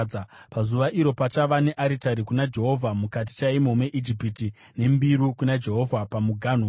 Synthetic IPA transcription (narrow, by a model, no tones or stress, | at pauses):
apazuʋaʔiɾo̞pat͡ʃaʋane̞ʔaɾitaɾikunad͡ʒe̞ɦo̞vʱamukat̬i̥t͡ʃaimomwe̞ʔid͡ʒipiti | ne̞mbiɾukunad͡ʒe̞ɦo̞vʱapamuɡʱaːn̤u